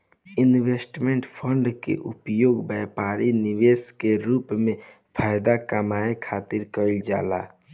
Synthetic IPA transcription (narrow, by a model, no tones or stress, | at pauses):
ɪnwesʈmẽɳʈpʰəɳɖkḛʔʊ̰pjoːɡbɛːpaːɾinɪʋeːskeɾuːpmẽ | pʰaːjd̪akamaːekʰaːt̪ɪɾkəɪld͡ʒa̰ːla̰ː